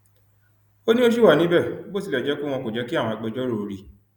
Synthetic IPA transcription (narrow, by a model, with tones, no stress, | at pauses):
o˦nĩ˦o˦ʃ̬i˦˨wa˦˨nĩ˨˦bɛ˦˨˦bo˦˨si˧lɛ˨d͡ʒɛ˨˦ku˦˨w̃ɔ̃˧ko˨d͡ʒɛ˨˦ki˦ã˦˨ɔ̃˧a˨k͡pɛ˧d͡ʒɔ˦ɾo˦˨o˧ɾi˧˦